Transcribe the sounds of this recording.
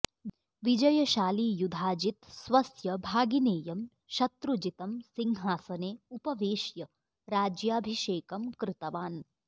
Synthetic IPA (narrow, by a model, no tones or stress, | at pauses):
ʋid͡ʒɐjɐʃaːliːjud̪ʱaːd͡ʒit̪sʋɐsjɐbʱaːɡineːjɐm | ʃɐt̪ɾud͡ʒit̪ɐmsiŋɦaːsɐneːupɐʋeːʃjɐ | ɾaːd͡ʒjaːbʱiʃeːkɐmkɾɪt̪ɐʋaːn